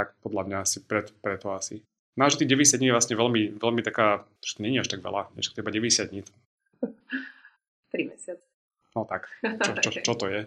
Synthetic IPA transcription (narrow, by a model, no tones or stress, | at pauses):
t̪akpɔd̪lamɲaasipɾɛt̪pɾɛt̪ɔasi | naʒɛt̪iːɣɟɛʋɛɟɛsjad̪ɲiːjɛʋlasɲɛʋɛlmiʋɛlmit̪akaː | ʒ̥ɛt̪ɔɲɛɲiaʃt̪aɡʋɛ̰la̰ɲɛ̰ʃt̪kt̪ɛbaɟɛʋɛɟɛsɪjad̪ɲiːt̪ | t̪ɾimɛsɪat͡sɛ̥ | nɔt̪akt͡ʃɔt͡ʃɔt͡ʃɔt̪ɔjɛ